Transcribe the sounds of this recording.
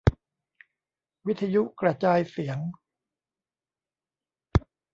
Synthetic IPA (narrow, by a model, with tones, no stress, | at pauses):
wi˦˥t̪ʰːa˧ju˦˥ʔkɾa˧t͡ɕaː˧jsi˩˦əŋ